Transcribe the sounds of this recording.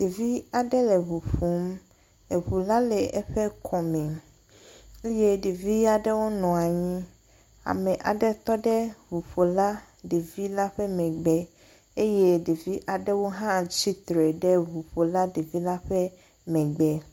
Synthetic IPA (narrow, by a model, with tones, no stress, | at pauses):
ɖ̥e˨vi˦a˨ɖɛ˦lɛ˨βu˨ɸu˨˦m | e˨ɸu˨la˦lɛ˨ʔɛ˦ɸɛ˦kʰɔ˨mɛ̃˨ | e˦je˦ɖe˨vi˦a˨ɖɛ˦wo˦nɔ̃˨a˨ɲĩ˦ | a̰˨mɛ̃˨ʔa̰˨ɖɛ˦t̪ɔ˦ɖɛ˦vu˨ɸo˨la˦ | ɖe˨vi˦la˦ɸɛ˦mɛ̃˨ɡ͡bɛ˦ | e˦je˦ɖe˨vi˦ʔa˨ɖɛ˦wo˦ɦã˦t͡ɕi˦t̪ɾɛ˨ɖɛ˦βu˨ɸo˨la˦ɖe˨vi˦la˦ɸɛ˦ | mɛ̃˨ɡ͡bɛ˦